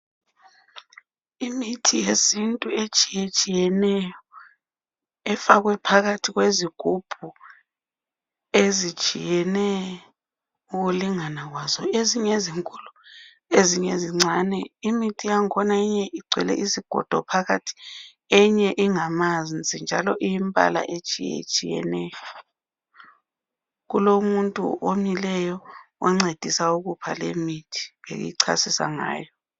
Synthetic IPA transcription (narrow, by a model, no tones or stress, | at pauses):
imitʰijesintʼuet͡ʃʼijet͡ʃʼijɛnɛjɔ | ɛfaɣ̬wɛpʰaɣatʰiɣ̬weziɡ̥ʱub̥ʱu | ezi̥t͡ʃʼḭjɛnɛ | uɣuliŋanaɣwazɔeziɲeziŋkʼulu | eziɲeziŋ͡ǀʱanɛimitʰʼijaŋkʰɔnaiɲɛʔiɡ͡ǀʱwɛ̰lɛ̰ʔiziɡ̥ʱɔ̰d̥ʱɔ̰pʰaɣatʰi̥ | ɛɲɛʔiŋamand͡zʱʼind͡ʒʱalɔʔijimpʼa̰la̰ʔet͡ʃʼijḛt͡ʃʼijɛ̰nɛjɔ | ɣulomuntʼṵʔomilɛjɔɛŋ͡ǀed̥ʱisauɣupʰa̰lḛmitʰi̥βḛɣṵjiǀʰa̰sisa̰ŋa̰ːjɔ